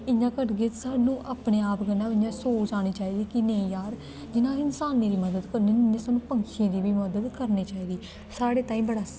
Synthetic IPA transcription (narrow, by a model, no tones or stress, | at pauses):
ɪɲãːkəɾɡɪt̪saːnũːʔaːpneːaːpɡənãːɪɲãːsoːt͡ʃt͡ʃaːɽ̃iːt͡ʃaːiːd̪iːkɪneĩjaːɾ | d͡ʒɪnãːɪnsaːnĩːɾiːməd̪əd̪kəɾnẽːɪnẽːsaːnũːpəŋʃẽːd̪iːbiːməd̪əd̪kəɾniːt͡ʃaːiːd̪iː | saːɽeːt̪ãːĩːbəɽaː